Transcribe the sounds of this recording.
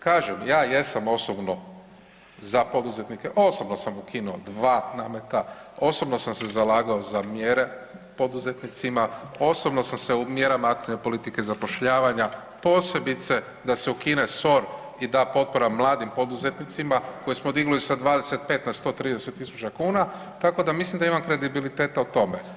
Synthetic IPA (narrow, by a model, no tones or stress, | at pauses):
kaːʒemjaːje̞samo̞sobno̞ | zapo̞d̪uze̞t̪nike̞ʔo̞so̞bnosamukʰinuod̪ʋaːnaːme̞t̪ao̞so̞bno̞samse̞zalaːɡao̞zamjeɾe̞po̞d̪uze̞t̪nit̪simao̞sobnosamse̞umje̞ɾamaakt̪iʋne̞po̞lit̪ike̞zapo̞ʃʎaːʋaɲa | po̞ːse̞bit̪se̞ | d̪ase̞ukine̞so̞ɾ | id̪aːpo̞t̪̚poɾamlˠaːd̪impo̞d̪uze̞t̪nit̪simako̞jismo̞d̪iɡulisad̪ʋaːd̪e̞se̞t̪̚pe̞ːt̪nast̪o̞ːt̪ɾiːd̪ese̞t̪ːisu̥t͡ʃakuːna | t̪ako̞d̪amislimd̪aimamkɾe̞d̪ibilit̪e̞ːt̪aut̪o̞me